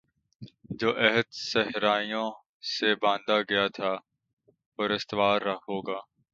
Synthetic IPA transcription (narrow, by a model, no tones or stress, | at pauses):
d͡ʒoːʔɛɦəd̪sɛɦɾaːijõ | sebãːnd̪aɡɐjat̪ʰaː | ɔːɾɪst̪ɪʋaːɾːɐhoːɡaː